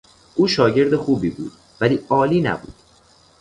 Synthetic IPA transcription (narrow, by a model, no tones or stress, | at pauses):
ʔuːʃɒːɟe̞ɾd̪exuːbiːbṵːd̪̥ | væliːɒːliːnæ̰bṵːd̪̥